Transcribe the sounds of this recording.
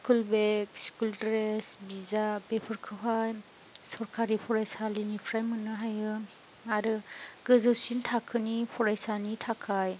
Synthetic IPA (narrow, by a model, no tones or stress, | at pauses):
skulbekskuldɾesbizabepʰɯɾkʰɯɦaj | sɔɾkʰaɾipʰɔɾajsalinipʰɾajmɯnɯɦajɯ | aɾɯɡɯzɯwsintʰakʰɯnipʰɔɾajsanitʰakʰaj